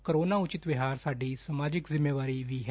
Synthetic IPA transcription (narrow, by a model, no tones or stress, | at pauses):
kəɾoːnaut͡ʃɪt̪ʋiɦaːɾsaːɖʱiːsəmaːd͡ʑɪkzɪmjəʋaːɾiːʋiːɦɛ